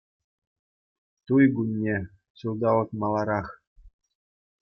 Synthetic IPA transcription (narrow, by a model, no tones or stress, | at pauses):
t̪ujɡunʲːe | ɕulˠd̪ɑlɤ̆t̪mɑlˠɑɾɑχ